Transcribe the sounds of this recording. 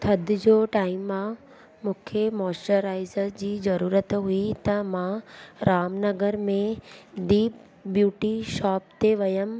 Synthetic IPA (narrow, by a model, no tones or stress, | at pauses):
t̪ʰɐd̪d͡ʑoːʈaːɪmːã | mʊ̃kʰemɔːsʈəɾaːɪzəɾd͡ʑiːzɐɾuːɾət̪ɦuit̪ɐmãɾaːmnɐɡəɾmẽd̪iːp | bjuːʈiʃɔːp̚t̪eʋɐjəm